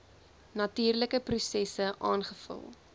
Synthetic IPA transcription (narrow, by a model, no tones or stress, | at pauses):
nɐtiːrləkəprusɛsəʔɑːnχəfə̰lˠ